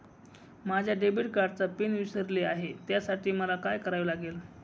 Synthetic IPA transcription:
mad͡ʑʱjaɖebiʈkaɖ̚t͡sapinʋisəɾleaɦet̪jasaʈiːməlakajkəɾaʋilaɡel

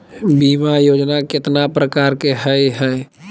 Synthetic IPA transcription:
biːmajoːd͡ʒnakɪt̪napɾəkaːɾkeɦəɦɛː

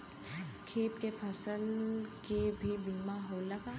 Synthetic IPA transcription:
kʰeːp̪̚kepʰəsəlkebʱibiːmãɦolɐɡaː

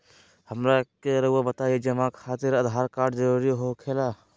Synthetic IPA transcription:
həmɾakeɾəabət̪aed͡ʒəmãkʰaːt̪ɪɾəd̪ʱɦaːɾkaːʈd͡ʒəɾuɾiɦokʰeːla

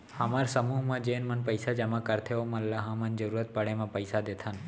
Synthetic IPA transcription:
hamaɾsəmuɦmãd͡ʒenmənpəjsad͡ʒəmãkəɾt̪ʰeomãlaɦãmə̃nd͡ʒəɾuɾət̪̚pəɽemãpəjsad̪et̪ʰan

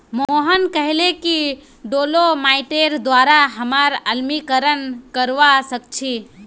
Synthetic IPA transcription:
mooɦənkəɦleki | ɖolomaiʈeɾd̪waɾaɦəmaɾəlmikəɾənkəɾʋasəkt͡ʃʰi

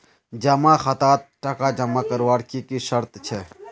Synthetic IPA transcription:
d͡ʒɐmãːxɐt̪aːt̪̚ʈɐkaːd͡ʒɐmakəɾʋaːɽkikiʃɐɾt̪t͡ʃʰe

